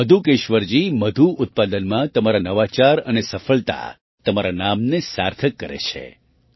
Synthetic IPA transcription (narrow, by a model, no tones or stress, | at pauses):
məd̪ʱukeʃʋəɾd͡ʒiməd̪ʱuʔʊt̪̚pad̪ənmãt̪əmaɾanəʋat͡ʃaɾənesəfəɭt̪a̰ | t̪əmaɾanamnesa̰ɾt̪ʰəkːəɾḛt͡ʃʰḛ